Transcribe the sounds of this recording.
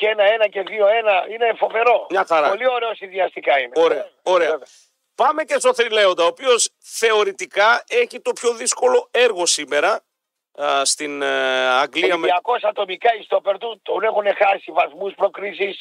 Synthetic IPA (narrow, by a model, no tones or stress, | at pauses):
cenɐe̞nɐce̞ðioe̞nɐineːfo̞ve̞ɾo̞mɲɐxɐɾɐpolio̞ɾeosinðiɐst̪ikɐineoeɐoɾeev | pɐme̞ce̞st̪o̞θɾile̞o̞nd̪ɐoːpio̞s | θe̞o̞ɾit̪ikɐe̞çit̪o̞pço̞ðisko̞lo̞e̞ɾɣo̞sime̞ɾɐ | st̪inɐŋɡliɐmiɐko̞sɐt̪o̞mikɐist̪opeɾt̪ut̪onexunexɐsivɐθmuspɾo̞kɾisis